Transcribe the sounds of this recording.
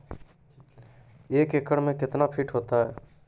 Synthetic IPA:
eːkeːkəɽmẽkɪt̪napʰɪʈɦoːt̪aɦɛː

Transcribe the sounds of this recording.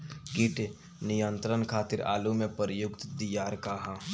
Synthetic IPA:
kɪʈ | nijənt̪ɾənkʰaːt̪ɪɾa̰ːlumẽpəɾəjʊkt̪d̪ijaːɾkaɦã

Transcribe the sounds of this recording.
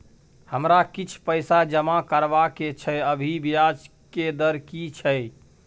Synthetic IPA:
həmɾakit͡ʃʰpəɪsad͡ʒəmakəɾbaket͡ʃʰəjəbʱibijad͡ʒ | ked̪əɾkit͡ʃʰəj

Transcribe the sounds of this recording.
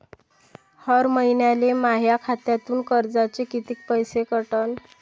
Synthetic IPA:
həɾməinjalemaɦjakʰat̪jat̪uːnkəɾd͡zat͡sekit̪iːk̚pəjsekəʈən

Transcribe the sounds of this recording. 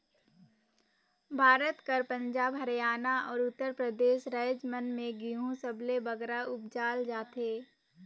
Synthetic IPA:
bʱaːɾət̪kəɾpə̃ɲd͡ʒaːbɦəɾjaːnaɔːɾʊt̪ːəɾpɾəd̪eːʃɾəːd͡ʒmənmẽɡiɦũsəblebəɡɾaʊp̚d͡ʒaːld͡ʒaːt̪eː

